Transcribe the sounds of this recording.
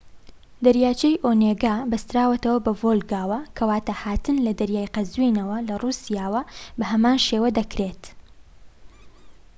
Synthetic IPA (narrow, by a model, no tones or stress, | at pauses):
d̪ɐɾjaːt͡ʃejʔoːneɡaːbɐst̪ɾaːwɐt̪ɐwɐbɐvolɡaːwɐkʰɐwaːt̪ahaːt̪ɨnlɐd̪ɐɾjaːjqɐzwinɐwɐlɐruːsijaːwɐbɐhɐmaːnʃewɐd̪ɐkɾet̪